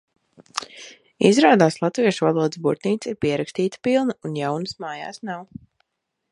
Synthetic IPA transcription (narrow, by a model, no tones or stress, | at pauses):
izɾaːd̪aːslˠat̪viɛʃuvalˠuɔd̪ɨsbuɾt̪nʲiːt̪siɾpiɛɾakst̪iːt̪ə̥pilˠnəunjawnəsmaːja̰ːsnaw